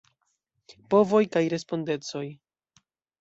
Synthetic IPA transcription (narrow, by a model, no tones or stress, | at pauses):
po̞vojkajɾe̞spo̞nde̞t͡so̞j